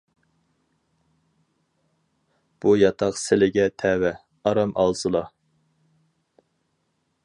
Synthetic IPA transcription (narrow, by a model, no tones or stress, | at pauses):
b̥ujɑt̪ʰɑqsɪlɪɡʲɛt̪ʰɛwɛ | ɑɾɑmʔɑ̰lˠsɨlˠɑ